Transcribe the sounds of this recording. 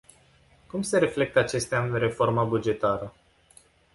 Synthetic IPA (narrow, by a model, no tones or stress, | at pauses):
kumse̞ɾe̞fle̞k̚t̪əat͡ʃe̞st̪ʲanre̞fo̞rməbud͡ʒe̞t̪aɾə